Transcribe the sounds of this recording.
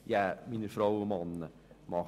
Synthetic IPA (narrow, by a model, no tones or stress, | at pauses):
jaminəfɾowəmɑnə | mɑ